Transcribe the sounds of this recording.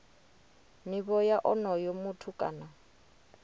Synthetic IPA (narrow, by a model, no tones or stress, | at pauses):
miβɔjaʔɔnɔjɔmutʰukʼa̰na